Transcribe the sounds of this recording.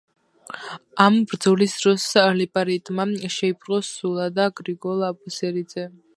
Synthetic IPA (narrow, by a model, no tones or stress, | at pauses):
ambɾd̪zɔlisd̪ɾɔslɛpʼaɾit̪ʼmaʃɛipʰɾqɔsulˠad̪aɡɾiɡɔlˠabusɛɾid̪zɛ